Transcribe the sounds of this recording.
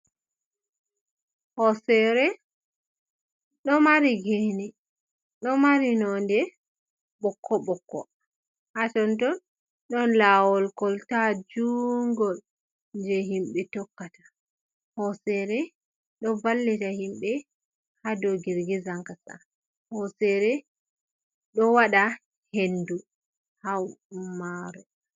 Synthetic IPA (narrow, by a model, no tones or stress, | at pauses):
hɔsɛɾɛ | ɗɔmaɾiɡenɛ | ɗɔmaɾinɔndɛ | ɓɔkʰːɔɓɔkːɔ̰ | hatɔntɔn | ɗɔnlaːwɔlkɔltad͡ʒuŋɡɔl | nd͡ʒɛɦimɓɛtɔkːatḁ | hɔsɛɾɛ | ɗɔvalːɛtahimɓɛ | hadɔɡiɾɡɛzaŋkasa̰ | hɔsɛɾɛ | ɗɔwaɗa | hendu | hawmaɾɛ